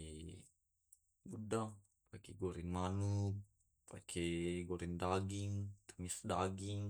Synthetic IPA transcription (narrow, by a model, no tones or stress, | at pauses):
budaŋ | pakɛɡoɾinmanuk̚ | pakʰɛɡoɾindaɡiŋt̪ə̥ŋisdaɡiŋ